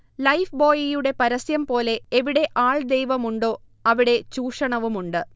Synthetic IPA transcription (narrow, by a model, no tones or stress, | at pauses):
lɐjfboːjijuɽe̞pɐɾɐsjɐmpo̞ːle̞ːʋiɽe̞ʔaːɭd̪ejʋɐmuɳɖo̞ː | ɐʋiɽe̞t͡ɕuːʂɐɳɐʋumuɳɖɨ